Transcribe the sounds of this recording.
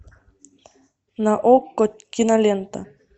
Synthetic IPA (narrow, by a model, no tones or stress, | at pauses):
naʔokːot̪̚ʲkinalʲent̪a̰